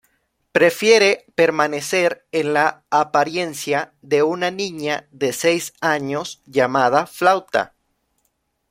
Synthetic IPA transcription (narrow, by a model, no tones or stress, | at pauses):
pɾe̞fje̞ɾe̞pe̞ɾmane̞se̞ɾenlaːpaɾje̞nsja | ðe̞unanĩɲaðe̞sejsaɲo̞sʝamað̞aflawt̪a̰